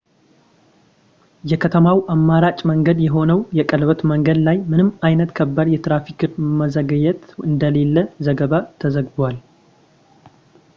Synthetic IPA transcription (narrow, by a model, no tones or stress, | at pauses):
jɛkʰət̪ʰəmawʔamːaɾat͡ʃʼməŋɡəd̪jɛɦo̞nəwjɛkʼəlβət̪məŋɡəd̪lajmɨnɨmajnət̪kʰəbːad̪jɛt̪ɾafikɨməzəɡəɲɛt̪ɨnd̪əle̞lːəzəɡəβat̪ʰəzəɡbwal